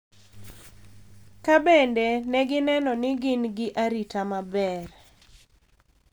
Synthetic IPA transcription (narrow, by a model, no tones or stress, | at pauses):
kabɛndenɛɡɪnɛnɔnɪɡɪnɡɪʔaɾitamabɛr